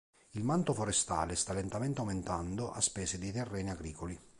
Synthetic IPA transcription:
ilmant̪ofoɾest̪a̰ːlest̪alːent̪amɛnt̪eawment̪and̪oʔa̰spɛːsed̪it̪ɛrːɛːniaɡɾiːkoli

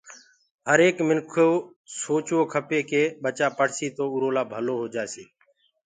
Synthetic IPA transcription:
ɦəɾeːkmɪnkʰoː | soːt͡ʃʋoːkʰəpeːkeːɓət͡ʃaːpəɽsiːt̪oːʊɾoːlaːbʱəloːɦoːd͡ʒaːsiː

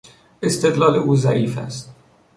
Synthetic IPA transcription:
est̪ed̪lɒːleuːzæ̰ʔiːfæ̰st̪

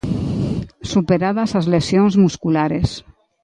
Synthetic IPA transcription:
supeɾaðasazlesjonzmuskulaɾes

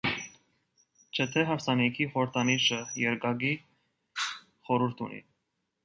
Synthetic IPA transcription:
t͡ʃʰət̪ʰɛɦɑfsɑnikʰiχɔɾəɾt̪ʰɑniʃəjɛɾɡɑɡi | χɔɾuɾt̪ʰṵnḭ

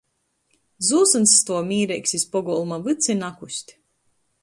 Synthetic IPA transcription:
zuːsɨnst̪uɔmʲiːɾɛjksispɔɡɔlˠmavɨt̪sinakusʲt̪ʲ

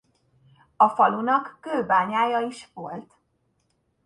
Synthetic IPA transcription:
ɒfɒlunɒkːøːbaːɲaːjɒiʃʋo̞lt̪

